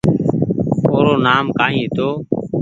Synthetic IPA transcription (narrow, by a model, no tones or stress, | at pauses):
oːɾoːnaːmkaːɦĩːɦɪt̪oː